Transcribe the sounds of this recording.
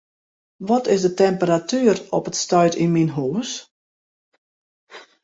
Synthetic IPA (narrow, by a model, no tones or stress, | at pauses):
ʋɔtɪsdətɛmpəɾatyːərɔpətstœɥtinminɦuːs